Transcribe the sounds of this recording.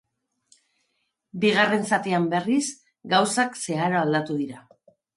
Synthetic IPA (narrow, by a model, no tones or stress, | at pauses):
biɣ̞are̞nsat̪iambe̞ris | ɡawsakse̞aɾoald̪at̪uð̞iɾa